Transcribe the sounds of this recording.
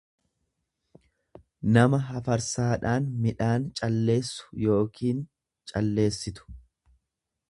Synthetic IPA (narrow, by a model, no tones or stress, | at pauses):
nɐmɐɦɐfɐɾsaːᶑaːnmɪᶑaːnt͡ʃʼɐlːe̞ːsːʊ̥jo̞ːkʰiːn | t͡ʃʼɐlːe̞ːsːɪt̪ʊ̥